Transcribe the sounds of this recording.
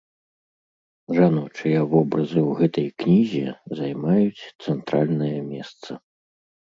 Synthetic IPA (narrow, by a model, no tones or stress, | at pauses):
ʐanut͡ʂɨjɐvɔbɾɐzɨwɣɛt̪ɐjknʲizʲɛzajmajut͡sʲt̪sɛnt̪ɾalʲnɐjɐmʲɛst̪sɐ